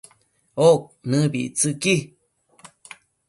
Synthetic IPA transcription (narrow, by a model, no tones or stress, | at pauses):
ok̚nɨbḭt͡sɨki